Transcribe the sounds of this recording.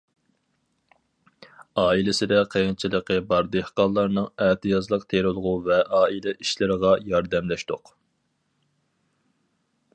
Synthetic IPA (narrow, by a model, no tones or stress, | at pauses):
ɑːilɪsɪd̪ɛqʰejnt͡ʃʰilˠəqəbɑɾd̪ehqɑlˠːɑɾnɨŋæt̪ʰɨjɑzlˠəq̚t̪ʰeɾɨlˠʁuvɛʔɑːilɛʔiʃlɪɾəʁɑjɑɾd̪ɛmlɛʃt̪oq